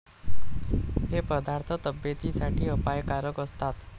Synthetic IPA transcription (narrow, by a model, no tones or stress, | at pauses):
ɦepəd̪aɾt̪ʰət̪əbjet̪isaʈʰiːəpajkaɾəkəst̪at̪